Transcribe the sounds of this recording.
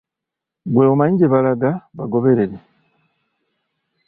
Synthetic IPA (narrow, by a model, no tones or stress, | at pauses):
ɡweomaiɟeβalaɡaβaɡo̞βe̞ɾeɾe̞